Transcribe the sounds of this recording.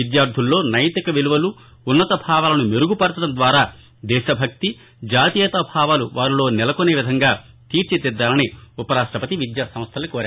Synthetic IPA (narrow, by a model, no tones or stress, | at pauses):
ʋid̪jaːɾd̪ʱulːo̞ːnɐjt̪ikɐʋeluʋɐlu | unːɐt̪ɐbʱaːʋaːlɐnumeɾuɡupɐɾt̪ɐɽɐnd̪ʋaːɾaː | d̪ɛːʃɐbʱɐk̚t̪i | d͡ʒaːt̪ijɛt̪ɐbʱaːʋaːluʋaːɾilo̞ːnɛlɐkone̞ːʋid̪ʱɐŋɡaː | t̪iːɾt͡ʃet̪ɛd̪ːaːlɐniupɐɾaːʂʈɾɐpɐt̪iʋid̪jaːsɐm̃st̪ʰɐlːnikoːɾaː